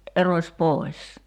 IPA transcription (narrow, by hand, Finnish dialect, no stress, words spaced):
ʔerosʲ poˑi̞s